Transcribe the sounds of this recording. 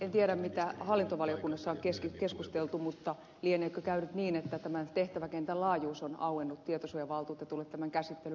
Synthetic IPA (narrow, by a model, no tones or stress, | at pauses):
ent̪ieɾæmmit̪æhɑlːint̪oʋɑliokunːɑsːɑoŋkeskikeskust̪elt̪umut̪ːɑ | lieneːkøkæynyt̪niːnet̪ːæt̪æmæt̪eht̪æʋækent̪ællɑːjuːsonɑuenːut̪t̪iet̪osujɑʋɑlt̪uːt̪jɑt̪ulːet̪t̪æmæŋkæsit̪ːely